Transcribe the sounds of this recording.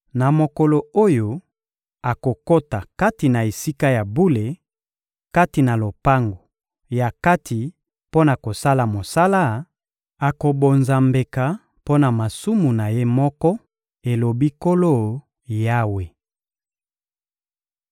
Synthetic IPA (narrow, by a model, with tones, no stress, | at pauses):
na˨mo˨ko˨lo˨o˦jo˦ | a˨ko˨ko˦ta˨ka˦ti˨na˨e˨si˦ka˦ja˨bu˦le˨ | ka˦ti˨na˨lo˨pa˦ŋɡo˨ | ja˨ka˦tʰi˨ | po˦na˨ko˨sa˦la˨mo˨sa˦la˦˨ | a˨ko˨bo˨nza˨mbe˨ka˨ | po˦na˨ma˨su˦mu˨na˨je˦mɔ˦kɔ˦ | e˨lo˨bi˦ko˦lo˦˨ | ja˦we˨